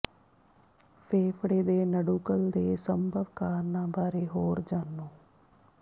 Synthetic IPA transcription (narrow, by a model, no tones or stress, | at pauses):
pʰeːpʰɽeːd̪eːnəɖuːkəld̪eːsəmbʱəʋkaːɾnãːbaːɾeːɦoːɾd͡ʒaːnːõː